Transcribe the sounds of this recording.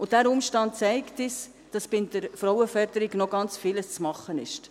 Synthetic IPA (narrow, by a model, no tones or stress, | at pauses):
ʊdæːɾʊmʃtɑnt̚t͡sɛɪktis | d̥ɑsb̥ɪndəɾfɾɔʊəfœɾd̥̪əɾiɡnɔɡɑnt͡sfɪləst͡smɑχːənɪ̰ʃt